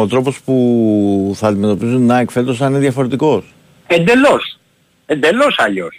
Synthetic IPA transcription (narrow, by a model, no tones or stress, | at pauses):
ot̪ɾo̞po̞spu | θɐːnd̪ime̞t̪o̞pizunːɐekfe̞t̪osɐnineðjʝɐfo̞ɾe̞t̪iko̞s | end̪elos | end̪elosɐʎos